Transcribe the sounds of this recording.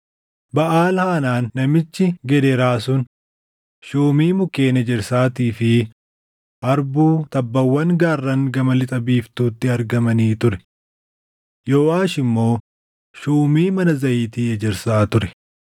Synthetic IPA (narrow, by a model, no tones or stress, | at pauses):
bɐʔaːlhaːnaːnːɐmɪt͡ʃːɪɡɛd̪ɛɾaːsʊn | ʃuːmiːmʊke̞ːnɛd͡ʒɛɾsaːt̪iːfɪ | ʔɐɾbuːt̪ɐbːɐwːɐŋɡaːrːɐŋɡɐmɐlɪt̪ʼɐbiːft̪uːt̪ːɪɐɾɡɐmɐniːt̪ʊɾɛ | jo̞ːʔaːʃɪmːo̞ː | ʃuːmiːmɐnɐzɐʔiːt̪iːɛd͡ʒɛɾsaːt̪ʊɾɛ